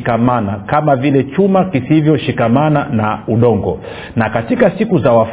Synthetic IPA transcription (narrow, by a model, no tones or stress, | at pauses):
kamanakamavilɛt͡ʃumakisivjɔʃikamananauɗɔŋɡɔ | nakatikasikuzawaf